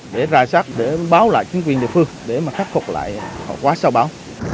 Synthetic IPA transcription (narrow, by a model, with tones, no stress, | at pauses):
ɗe˧˩zaː˨˩jsaː˦˥t̚ɗe˧˩ɓaː˨˦wla̰ː˧˨jt͡ɕi˨˦ŋkwi˨˩ənɗḭ˧˨fɨ˧əŋɗe˧˩maː˨˩xa˦˥k̚fo˨˩k͡p̚la̰ː˧˨jhɔ̰˧˨kwaː˨˦saː˧wɓaː˨˦w